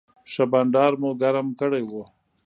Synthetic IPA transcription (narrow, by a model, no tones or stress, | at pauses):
ʃabaɳɖɑːɾmoɡaɾamkəɽejwo